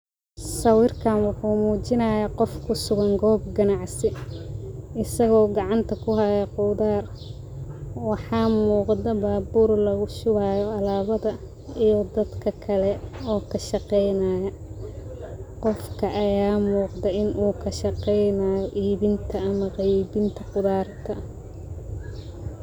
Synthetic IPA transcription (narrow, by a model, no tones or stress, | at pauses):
sɐwɪrkʰaːnwɑħuːmuːt͡ʃɪnɐːjaːqɔfkʰʊsʊɣɐŋɡɔːb̚ɡɐnɑʕsɪ | ɪsɐɣɔːɡɑʕɑnt̪ʰɐkʰʊɦajɐqʊːðaːr | wɑħɑːmuːqd̪ɐbaːbuːɾlɐɣʊʃʊβaːjɔɐlaːβɐðɐ | ijɔd̪ɐd̪kʰɐkʰɐlɛɔːkʰɐʃɑqɛjnaːjɐ | qɔfkʰɐʔɐjaːmuːqd̪ɛʔɪnʔuːkʰɐʃɑqɛjnaːjɔʔiːβɪnt̪ʰɐɐmɐqɑjbɪnt̪ʰɐqʊðaːrt̪ʰɐ